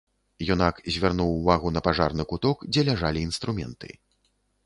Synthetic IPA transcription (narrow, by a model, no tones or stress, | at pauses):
junakzʲvʲarnuwvaɣunɐpaʐa̰rnɨkut̪ɔkd͡zʲɛlʲaʐalʲiːnst̪ɾumʲɛ̰nt̪ɨ̰